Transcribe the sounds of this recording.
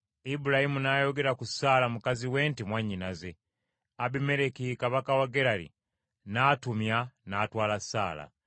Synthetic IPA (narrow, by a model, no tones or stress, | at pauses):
ibuɾahimunaːjo̞ɡe̞ɾakusaːlamukaziwe̞ːntimwaɲːinaze̞ | abime̞ɾekikaβakawaɡe̞ɾalḭ | naːtumjanaːtwaːlasa̰ːla̰